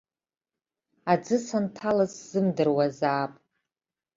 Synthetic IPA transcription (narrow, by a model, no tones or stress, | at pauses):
ad͡zɨsantʰalazz̥ɨmdɨrwazaːpʼ